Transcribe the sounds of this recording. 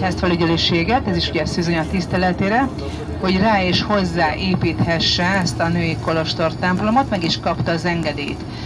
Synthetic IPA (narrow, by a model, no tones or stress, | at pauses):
ast̪fɛlyɟɛløːʃeːɡɛt̪ɛziʃuɟɛsyzøɲɒt̪ːist̪ɛlɛt̪eːɾɛ | ho̞ɟraːeːʃho̞zːaːʔeːpiːt̪hɛʃːɛɛst̪ɒnøːjiko̞lo̞ʃt̪o̞rt̪ɛmplo̞mot̪mɛɡiʃkɒpt̪ɒːzɛŋɡɛd̪ḛːjt̪